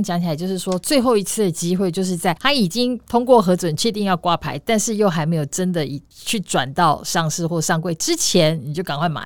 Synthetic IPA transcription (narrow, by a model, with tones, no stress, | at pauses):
ŋt͡ɕjɑ˨˧˦ŋt͡ɕʰla˧˦t͡ɕjo˥˧ʊʂɻ̩˥˩ʂwɔ˦˥t͡swe˥˧ɪxo˥˩ʊi˧˥t͡sʰɹ̩˥˩d̪ə˩t͡ɕi˥xwe˥˧ɪt͡ɕjo˥˧ʊʂ̬ɻ̩˥˧t͡sa˥˩ɪt̪ʰa˥i˨˩t͡ɕi˦˥ŋt̪ʰʊ˥ŋkwɔ˥˨xɤ˧˥t͡swə˨˩nt͡ɕʰɛ˥˧t̪i˥˧ŋjɑ˥˩ʊkwa˥pʰa˧˥ɪt̪a˥˧nʂɻ̩˥˧jo˥˩ʊxa˧˥ɪme˧˥ɪjo˨˩ʊʈ͡ʂə˦nd̪ə˨i˨˩t͡ɕʰy˥˩ʈ͡ʂwa̰˨˩nt̪ɑ˥˧ʊʂɑ˥˧ŋʂɻ̩˥˧xwɔ˥˩ʂɑ˥˧ŋkwe˥˩ɪʈ͡ʂɻ̩˦˥t͡ɕʰjɛ˧˥nni˨˩t͡ɕjo˥˩ʊka˨˩ŋkʰwa˥˩ma̰˨˩˦